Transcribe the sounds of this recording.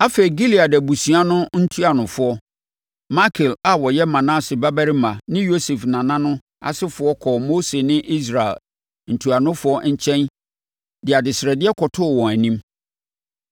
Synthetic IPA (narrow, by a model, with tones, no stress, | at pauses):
a˦fe˨i˨ɡi˦li˨a˨dɛ˨bu˨sũ˨a˦nʊ̃˦n̩˦tʰu˦a˨nʊ̃˨fʊ˦ɔ˦ | ma˦kʰɪ˨la˨wɔ˨jɛ˦mã˨nã˦sɪ˨ba˦bæ˦ɾi˦mã˨nɪ̃˦jo˦se˨fnã˨nã˦nʊ̃˦ | a̰˨sɪ˦fʊ˨ɔ˦kʰɔ˨mo˦se˨nɪ̃˦ʔi˦s̬ɾa˨ɛ̰˨l | n̩˨tʰu˨a˨nʊ̃˦fʊ˦ɔ˦ɲ̩˦˨t͡ɕʰɛ̃˦n | dɪ˨a˨dɪ˨sɪ˨ɾɛ˨dɪ˦ɛ˦kʰɔ˨tʰʊ˦˨wɔ̃˨æ˨nĩ˦m